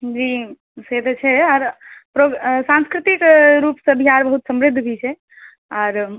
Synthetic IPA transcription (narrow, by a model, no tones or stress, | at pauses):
d͡ʒi | set̪t͡ʃʰɛɔːɾpɾoɡsãnskɾit̪ikɾupsə̃bʱiɦaɾbəɦut̪səmɾid̪ʱːbʱit͡ʃʰɛ | ɔːɾ